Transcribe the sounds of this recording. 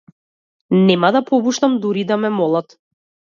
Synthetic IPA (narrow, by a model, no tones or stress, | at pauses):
nɛmad̪apɔbuʃt̪amd̪uɾid̪amɛmɔlˠat̪